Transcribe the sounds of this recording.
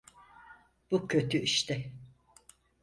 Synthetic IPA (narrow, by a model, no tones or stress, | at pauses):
b̥ucʰø̞t̪ʰyiʃt̪ʰɪ